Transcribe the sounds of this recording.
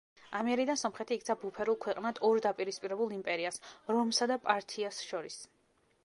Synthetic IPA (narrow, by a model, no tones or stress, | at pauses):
amɛɛɾid̪ansɔmχɛt̪ʰiːk̪̚ʰsʰabupʰɛɾulˠkʰwɛqʼnad̪̥ɔɾd̪apʼiɾispʼiɾɛbulˠimpʼɛɾiasɾɔmsad̪apʼaɾt̪ʰiasʃɔɾis